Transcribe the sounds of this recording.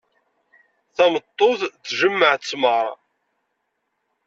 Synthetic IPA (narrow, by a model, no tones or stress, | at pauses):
θæmət̪ˤːoðθʒəmːəʕt͡sːməɾˤ